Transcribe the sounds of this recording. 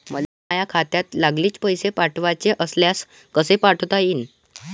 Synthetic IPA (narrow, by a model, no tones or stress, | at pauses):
məlamajakʰat̪jat̪laɡliːt͡spəjsepaʈʰʋat͡seʔəsljas | kəsepaʈʰt̪ain